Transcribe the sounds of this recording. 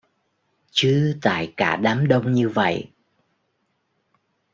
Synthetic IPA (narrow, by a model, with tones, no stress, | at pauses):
t͡ɕɨ˨˦t̪a̰ː˧˨jkaː˧˩ɗaː˨˦mɗə˧wŋ͡mɲɨ˧və̰˧˨j